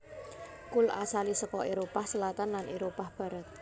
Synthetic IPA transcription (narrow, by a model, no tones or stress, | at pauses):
kʊla̰salisəkɔeɾopahsəlat̪anlaneɾopahb̥a̤ɾat̪̚